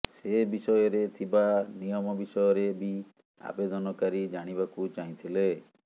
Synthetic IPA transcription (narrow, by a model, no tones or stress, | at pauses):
sebisɔjɔɾet̪ʰibanijɔmɔbisɔjɔɾebi | a̰bed̪ɔnɔkaɾid͡ʒaɽ̃ibakut͡ʃaĩt̪ʰile